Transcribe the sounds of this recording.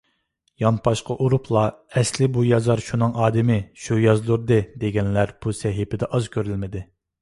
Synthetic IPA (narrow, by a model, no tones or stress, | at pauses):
jɑnpʰɑʃqɑʔuɾupʰlˠɑɛslɪbujɑzɑɾʃunɨŋʔɑːd̪ɪmɪʃujɑzlˠuɾd̪ɨd̪eɡʲɛnlæɾb̥usɛɦɪpʰɪd̪ɛʔɑzkʲʰøɾylmɪd̪ɪ